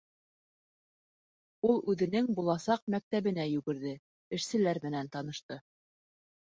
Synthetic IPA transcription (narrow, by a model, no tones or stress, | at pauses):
ulˠʉðɘ̆nɘŋbulˠɑsɑq̚mæk̚t̪æβɘ̆næjʉɡɘ̆ɾðɘ | ɘ̆ʃsɘ̆læɾmɘ̆nænt̪ɑnɤ̆ʃt̪ɤ